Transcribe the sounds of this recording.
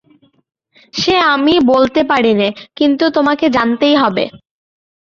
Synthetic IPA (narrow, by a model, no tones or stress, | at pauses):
ʃeamibolt̪epaɽinakint̪ut̪omaked͡ʑant̪ejɦɔbḛ